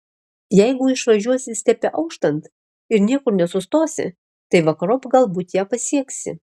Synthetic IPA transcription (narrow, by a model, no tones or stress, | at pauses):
jɛɪɡʊɪʃʋɐʒʲuɔsʲɪsʲt̪ʲɛpʲɛʔɐʊkʃt̪ɐnt̪ | ɪɾnʲiɛkʊɾnʲɛsʊst̪oːsʲɪ̰ | t̪ɐɪʋɐkɐɾopɡɐlˠbuːt̪jæːpɐsʲiɛksʲɪ̰